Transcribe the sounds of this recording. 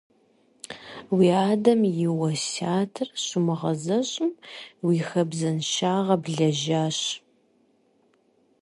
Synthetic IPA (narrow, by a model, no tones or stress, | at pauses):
wiːaːdɐmjɪwɐsaːtʰɨrɕʊmɨʁɐzɐɕʼɪmwiːxɐbzɐnʃaːʁɐbɮɐʒaːɕ